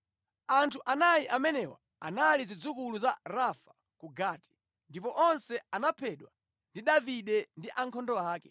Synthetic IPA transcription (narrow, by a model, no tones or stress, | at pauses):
antʰuʔanajiʔamɛnɛwa̰ | a̰nalizid͡zukuluzaɾafḁ | kuɡaːti̥ | ndipɔʔɔnsɛanapʰɛɗwa | ndiɗaviɗɛndiʔaŋkʰɔndɔaːkɛ̥